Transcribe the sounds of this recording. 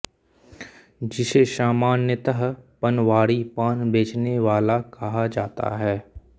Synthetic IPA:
d͡ʒɪseʃaːmaːnːjət̪əɦpənʋaːɽipaːnbeːt͡ʃneʋaːlakɐɦad͡ʒaːt̪a̰ɦɛː

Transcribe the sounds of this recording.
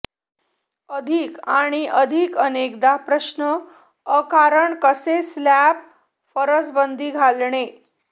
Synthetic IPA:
əd̪ʱiːkaɽ̃iʔəd̪ʱikənekd̪apɾəɕnəː | kaɾəɳkəseslæp | fəɾət͡sbənd̪ʱiːɡʱalɳe

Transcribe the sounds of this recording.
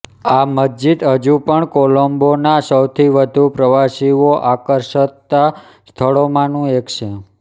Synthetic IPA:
aməd͡ʒit̪ɦəd͡ʒupəɳkolombonasəwt̪ʰiʋəd̪ʱupɾəʋaʃiʋoʔakəɾʃət̪ːa | st̪ʰəɭomãnũekt͡ʃʰe

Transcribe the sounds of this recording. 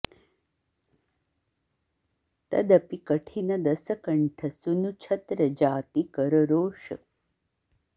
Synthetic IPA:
t̪ɐ̰d̪ɐpikɐʈʰinɐd̪ɐsɐkɐɳʈʰɐsunut͡ʃʰɐt̪ɾɐd͡ʒaːt̪ikɐɾɐɾoːʂɐ̰

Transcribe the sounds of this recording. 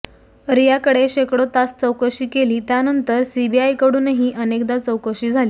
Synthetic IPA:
ɾijakəɽeɕekɽot̪ast͡səwkəɕiːkeliːt̪janənt̪əɾsibiajkəɽuːnɦiːʔənekd̪at͡səwkəɕiːd͡zʱaliː

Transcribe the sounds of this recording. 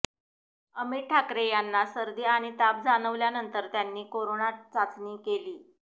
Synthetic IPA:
əmiʈʈʰakɾejanːasəɾd̪iːaɽ̃it̪ap̚d͡zaɽ̃əʋljanənt̪əɾt̪janːiːkoɾonat͡sat͡sniːkeliː

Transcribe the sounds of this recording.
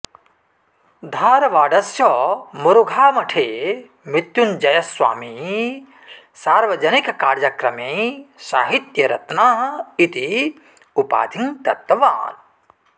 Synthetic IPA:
d̪ʱaːɾɐʋaːɖɐsjɔmuɾuɡʱaːmɐʈʰeː | mit̪jund͡ʒɐjɐsʋa̰ːmi | saːɾʋɐd͡ʒɐnikkaːɾjɐkɾɐmeːsaːɦit̪jɐɾɐ̰t̪naːɦɐit̪i | upa̰ːd̪ʱiŋt̪ɐ̰t̪ːɐʋa̰ːn

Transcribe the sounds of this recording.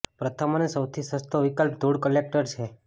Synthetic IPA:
pɾət̪ʰəmanesəwt̪ʰisəst̪oʋikəlp̚d̪ʱuɽkəlek̚ʈəɾt͡ʃʰe

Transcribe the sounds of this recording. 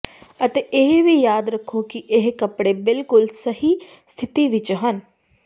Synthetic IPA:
ət̪eːʔɪɦʋiːjaːd̪ɾəkʰːokɪʔɪɦkəpɽeːbɪlkʊlsəhiː | st̪ʰɪt̪iːʋɪt͡ʃɦən

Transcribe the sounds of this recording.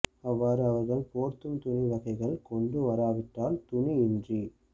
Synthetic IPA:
ɐʋːaːɾɯɐʋɐɾɣɐɭpoːɾt̪ɯmt̪ʊniʋɐɣɐɪɣɐɭkɔɳɖɯʋɐɾaːʋɪʈːaːlt̪ʊniɪndri

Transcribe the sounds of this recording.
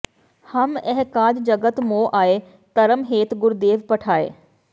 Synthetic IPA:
hɐmɛɦkaːd͡ʑd͡ʒɐɡət̪moːʔaːe | t̪ɐɾəmɦeːt̪ɡʊɾd̪eːʋpɐʈʰaːḛː

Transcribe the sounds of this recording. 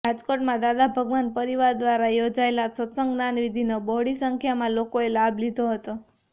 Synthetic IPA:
ad͡ʒkoʈmãd̪ad̪abʱəɡʋanpəɾiʋaɾd̪ʋaɾajod͡ʒaelasət̪səŋɡnanʋid̪ʱinobɔɽisəŋkʰjamãlokoelablid̪ʱoɦət̪o

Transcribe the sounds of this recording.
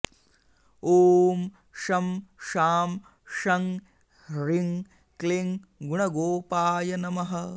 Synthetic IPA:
oːm | ʃɐmʃaːm | ʃɐŋ | ɾiŋ | kliŋɡuɳɐɡoːpaːjɐnɐmɐɦɐ

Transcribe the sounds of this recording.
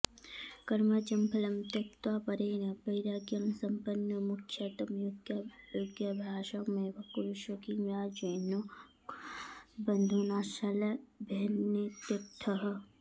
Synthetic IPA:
kɐɾmɐt͡ʃɐmpʰɐlɐmt̪ɐk̚t̪waːpɐɾeːnɐbɐiɾaɡjɐmsɐmpɐnːɐmukʰjɐt̪ɐmjoɡjɐjoɡjɐbʱjaːʃɐkmebʱɐkuɾuʃokiŋjaːd͡ʒɐːnːo | bɐnd̪ʱunaːʃɐlɐbʱenːet̪ɐt̪ʰːɐɦɐ

